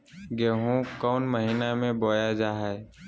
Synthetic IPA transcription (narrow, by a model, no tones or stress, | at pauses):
ɡeːɦũkɔːnməɦiːnamẽboːjad͡ʒaːɦɛ